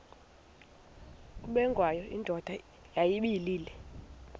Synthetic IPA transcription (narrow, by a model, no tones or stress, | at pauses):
kuɓɛŋɡʱwajɔʔindʱɔd̥ʱa | jajiɓiliːlɛ